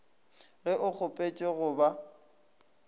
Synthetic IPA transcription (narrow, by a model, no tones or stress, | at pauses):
ɣɪʔʊk͡xʊpʼet͡ʃʼeɣʊba